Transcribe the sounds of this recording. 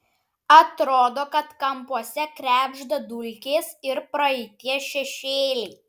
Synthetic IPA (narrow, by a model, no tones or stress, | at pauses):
ɐt̪ɾoːd̪oːkɐt̪kɐmpuɔsʲɛkɾʲæːbʲʒd̪ɐd̪ʊlʲkʲeːsɪɾpɾɐɛɪt̪ʲiɛʃʲɛʃʲeːlʲɛɪ